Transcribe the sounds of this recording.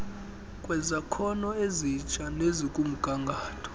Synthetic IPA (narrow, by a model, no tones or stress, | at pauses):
kʼwɛzakʰɔnɔezit͡ʃʼanezikʼum̩ɡ̥ʱaŋɡʱaːtʰɔ̥